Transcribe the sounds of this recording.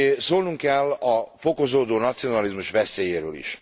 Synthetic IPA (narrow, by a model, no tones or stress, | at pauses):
soːlnuŋkɛlɒfo̞ko̞zoːd̪oːnɒt̪sijo̞nɒlizmuʃʋɛseːjeːɾø̰ːlḭʃ